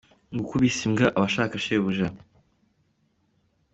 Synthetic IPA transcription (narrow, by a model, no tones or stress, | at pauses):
ŋɡukuβisimɡaʔaβaʃaːkaʃeβuʒa